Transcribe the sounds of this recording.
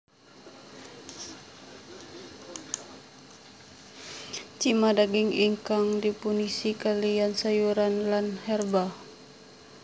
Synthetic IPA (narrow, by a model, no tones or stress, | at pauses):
t͡ʃimadaɡiŋiŋkaŋdipunisikaliansajuɾanlanhɛrba